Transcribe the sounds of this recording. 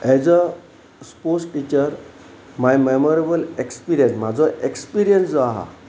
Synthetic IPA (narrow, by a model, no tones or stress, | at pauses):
ɛd͡zə | sposʈit͡ɕəɾ | majmemɔɾebəlekspiɾijənsmad͡zɔʔekspiɾijənsd͡zɔaɦa̰